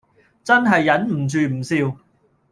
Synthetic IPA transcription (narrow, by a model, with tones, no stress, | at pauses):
t͡sɐ˥nɦɐ˨jːɐ˨˥nm̩˨˩t͡syː˨m̩˨˩siː˧w